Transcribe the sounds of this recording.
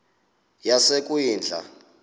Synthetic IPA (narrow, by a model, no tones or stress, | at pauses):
jasekʼujiːnd͡ɮʱa̰